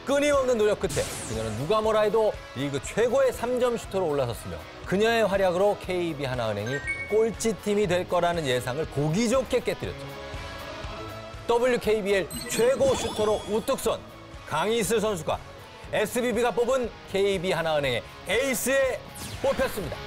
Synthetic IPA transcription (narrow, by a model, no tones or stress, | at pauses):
k͈ɯɲiʌmnɯnːoɾjʌk͈ɯtʰe̞̰kɯɲʌnɯnːuɡamʌɾaedoɾiɡɯt͡ɕʰwe̞ɡoe̞sʰamd͡ʑʌmɕʰu̥tʰoɾoːɭːasʰʌs͈ɯmjo̰ | kɯɲʌŋe̞ɸwaɾjaɡɯɾokʰe̞ibiɦanaɯnɦe̞ŋik͈oɭt͡ɕʰitʰimidwe̞ɭk͈ʌɾanɯnje̞sʰaŋɯɭkoɡid͡ʑokʰe̞k͈e̞t͈ɯɾjʌt̚t͡ɕ͈o̥ | t͈ʌbuɭjukʰe̞ibiet͡ɕʰwe̞ɡoɕʰutʰoɾout͈ɯk̚s͈ʌ̰n | kaŋisʰɯs̬ʰʌns̬ʰuɡwa̰ | esʰɯbibiɡap̬͈obɯnkʰe̞ibiɦanaɯnɦe̞ŋe̞ | eis͈ʰɯe̞ | p͈opʰjʌs͈ɯmɲida